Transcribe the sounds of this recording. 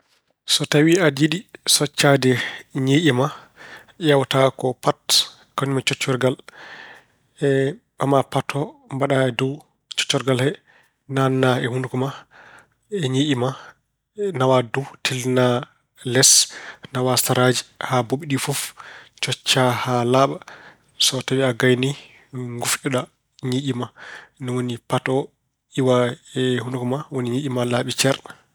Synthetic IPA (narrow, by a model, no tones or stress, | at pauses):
sɔtawiadiɗisɔt͡ʃːadɛɲeʔima | jawtakɔpat | kanimat͡ʃɔt͡ʃːɔɾɡal | ɛ | amapatʰːɔmbaɗaɛdɔw | t͡ʃɔ̥t͡ʃːɔɾɡalhɛ | nanːaɛhundukɔma | ɛɲeʔima | nawadutʰilna | lɛsnawastaɾad͡ʒi̥haboɓiɗifuft͡ʃɔt͡ʃːahalaɓa | sɔtaɓɛaɡajni | ŋɡufʔɔɗa | ɲiʔimanɔwonipatɔ | iwaɛhundukɔmawoniɲiʔimalaɓit͡ʃɛɾɗa